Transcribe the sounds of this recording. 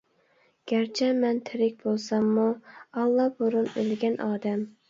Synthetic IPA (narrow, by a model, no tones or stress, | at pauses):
ɡ̥ʲæɾt͡ʃʰɛmɛnt̪ʰɪɾɪk̚ʲb̥olˠsɑmːuɑlˠːɑboɾunølɡʲɛnʔɑːd̪ɛm